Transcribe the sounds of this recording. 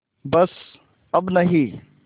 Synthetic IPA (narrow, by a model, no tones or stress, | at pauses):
bɐs | ɐbnɐɦi